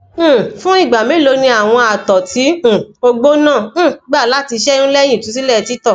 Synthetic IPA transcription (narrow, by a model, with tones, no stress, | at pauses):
fũ˦i˦˨ɡ͡ba˨mĩ˨˦lo˧nĩ˧a˨w̃ɔ̃˧a˨tɔ˨tĩ˨˦˨o˧ɡ͡bo˦nãː˦˨˦ɡ͡ba˦˨la˨˦ti˧ʃɛ˦ũ˦lɛ˦j̃ĩ˦˨tũ˨˦s̬i˦lɛ˦˨˧ti˨˦tɔ˦˨